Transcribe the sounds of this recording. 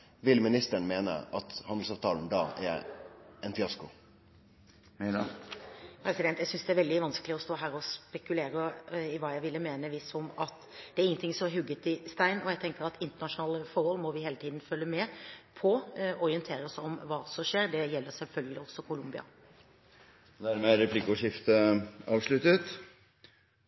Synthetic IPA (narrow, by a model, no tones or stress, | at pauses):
ʋɪlmɪnɪst̪əɳmeːnə̰ʔɑt̪hɑnd̪l̩sɑːʋt̪ʰɑːln̩d̪ɑ̰ːɛ̰ | ɛnfɪɑskʊ | mɛ | pʰɾɛsɪd̪ɛnt̪jæɪsʏnsd̪ɛæɾʋɛld̪ɪʋɑnsklɪɔst̪oːɦæːɾɔspɛkʉleːɾəɪʋɑːjæɪʋɪlːəmeːnəʋɪsɔmɑt̪ | d̪ɛæɾɪŋːnt̪ɪŋsɔmæɾɦʉɡːət̪ɪst̪æɪnɔjæɡt̪ʰɛŋkəɾɑt̪ɪnt̪ənɑʂʊnɑːləfɔɾhɔlːmɔʋɪheːlət̪ʰiːd̪n̩fœlːəmɛːpʰɔɔɾɪənt̪ʰeːɾəɔsɔmʋɑːsɔʂeːɾd̪ɛjɛlːəɾsɛlfœlɡəlɪɔsːɔkʰʊlʊmbɪɑ̰ | d̪æɾmɛɾɛpʰlɪkʊʂɪft̪əɑːʋʂlʉt̪ət̪